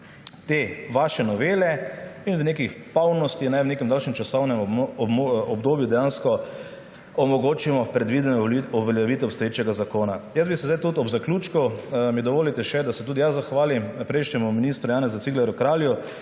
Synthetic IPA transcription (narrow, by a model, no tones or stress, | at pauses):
t̪eːʋaːʃɛnɔʋeːlɛinwnekixpawnɔst̪ixnajwnekɛmd̪alʃnɛmt͡ʃasɔwnɛmɔɔbd̪oːbjud̪ɛjaːnskɔ | ɔmɔɡoːt͡ʃimɔpɾɛd̪ʋid̪ɛnɔuʋɛljɛʋiːt̪ɛɔpst̪ɔjeːt͡ʃɛɡazakoːnajəzbisɛzd̪ajt̪ut̪ɔbzaklʲuːt͡ʃkumid̪ɔʋoːlit̪ɛʃɛd̪asɛt̪uːd̪ijazzːaxʋaːlimpɾɛjʃɲʲɛmuminist̪ɾujaːnɛzat̪siɡlɛɾjukɾaːlju